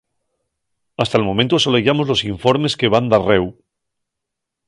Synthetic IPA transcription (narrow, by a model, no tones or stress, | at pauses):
ast̪aelmomẽ̞nt̪oso̞leʝamo̞zlo̞siɱfo̞ɾme̞ske̞βand̪arew